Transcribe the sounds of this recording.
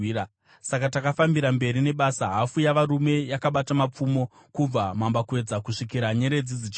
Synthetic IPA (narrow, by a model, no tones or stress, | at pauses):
ia | sakatakafambiɾambe̞ɾine̞ɓasaɦafujaʋaɾume̞jakaɓatamap͡fumo̞ | kub͡vamambakwe̞d͡zakuʂikiɾaɲe̞ɾe̞d͡zid͡zit͡ʃ